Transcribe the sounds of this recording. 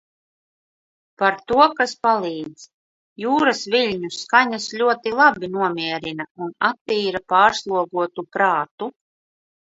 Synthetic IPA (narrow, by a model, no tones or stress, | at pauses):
paɾt̪uɔkaspalˠiːd̪z̥ | juːɾasviʎʲɲuskaɲasʎʲuɔt̪ilˠabinuɔmʲiɛɾinaunat̪ːiːɾapaːɾslˠuɔɡuɔt̪upɾaːt̪u